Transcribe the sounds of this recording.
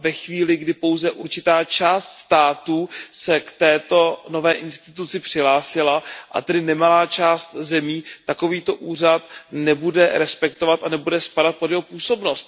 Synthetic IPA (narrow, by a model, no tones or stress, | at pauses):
vɛxviːlɪɡdɪpo̞wzɛʔuɾt͡ʃɪt̪aːt͡ʃaːst̪st̪aːt̪usɛkt̪ɛːt̪o̞no̞vɛːʔɪnst̪ɪt̪ut͡sɪpr̝̥ɪɦlaːsɪlaʔa̰t̪ɛdɪnɛmalaːt͡ʃaːst̪zɛmiːt̪ako̞viːt̪o̞ʔuːr̝at̪nɛbudɛɾɛspɛkt̪o̞vat̪anɛbudɛspadat̪̚podjɛɦo̞puːso̞bno̞st̪̚